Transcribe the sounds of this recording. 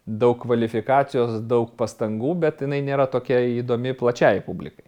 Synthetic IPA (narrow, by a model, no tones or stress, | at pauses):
d̪ɐʊkkːʋɐlʲɪfʲɪkɑːsʲɪjoːsd̪ɐʊkpɐst̪ɐŋɡuːbʲɛt̪jɪnɐɪnʲeːɾɐt̪oːkʲiɛiːd̪oːmʲɪplˠɐt͡ʃʲɛɪpubʲlʲɪ̰kɐɪ